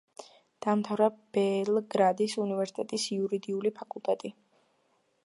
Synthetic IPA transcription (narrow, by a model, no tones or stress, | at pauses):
d̪̥amt̪ʰavɾab̥ɛlɡɾad̪isunivɛɾsi̥t̪ʼɛt̪ʼisiuɾid̪iulipʰakʼulˠt̪ʼɛt̪ʼi